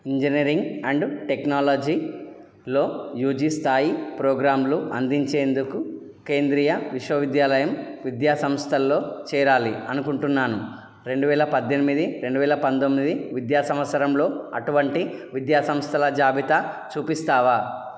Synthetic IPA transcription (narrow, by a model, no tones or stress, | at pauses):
iɲd͡ʒiniɾiŋɡɐɳɖʈeknaːloːd͡ʒiː | lo̞ːjuːd͡ʒist̪ʰaːjipɾoːɡɾaːmluɐnd̪iɲt͡ʃe̞ːnd̪uku | ke̞ːnd̪ɾiːjɐʋiʂʋɐʋid̪jaːlɐjɐmʋid̪jaːsɐmst̪ʰɐlːo̞ːt͡ʃɛːɾaːliɐnukuɳʈunːaːnu | ɾe̞ɳɖuʋɛːlɐpɐd̪ʱjɐnimid̪iɾe̞ɳɖuʋɛːlɐpɐnt̪omːid̪iʋid̪jaːsɐmʋɐt̪sʰɐɾɐmlo̞ːɐ̰ʈuʋɐɳʈiʋid̪jaːsɐmst̪ʰɐlɐd͡ʒaːbʱit̪at͡ʃuːpist̪aːʋaː